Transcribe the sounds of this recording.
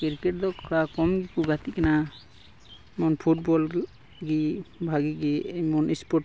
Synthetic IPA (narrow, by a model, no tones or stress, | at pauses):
kiɾkɛʈ̚d̪ɔkʰɔɽakɔmɡikuɡat̪ikana | mɔnpʰuʈ̚bɔl | ɡibʱaɡiɡiemɔnispɔʈ